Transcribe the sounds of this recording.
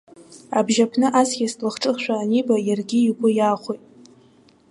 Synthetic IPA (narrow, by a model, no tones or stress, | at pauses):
abʒapʰnɨʔasɡʲaslɨχʈ͡ʂʼɨχʃʷᶣaːnibajarɡʲiiɡʷʼʊjaːχʷojtʼ